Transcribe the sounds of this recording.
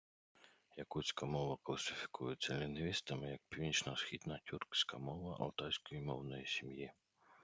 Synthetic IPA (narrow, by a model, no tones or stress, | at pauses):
jɐkusʲkɐmɔʋɐklˠɐsɪfʲi̥kʰujʊt͡sʲːɐlʲinʋʲist̪ɐmɪjɐk̚pʲiwnʲit͡ʃnɐsxʲid̪nɐtʲurksʲkɐmɔʋɐʔɐ̰lˠt̪ɑjsʲkɔjimɔwnɔjisʲimji